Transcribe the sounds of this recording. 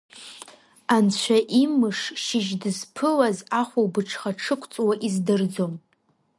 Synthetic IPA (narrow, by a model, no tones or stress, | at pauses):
ant͡ɕʷʰaʔimɨʂʃɪʒdɨzpʰɨlazaχʷawbɨʈ͡ʂʰχaʈ͡ʂʰɨkʷʰt͡sʼwaʔizdɨrd͡zo̞m